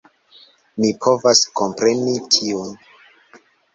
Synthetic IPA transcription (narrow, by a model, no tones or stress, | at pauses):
mipʰo̞vasko̞mpɾenitʰiun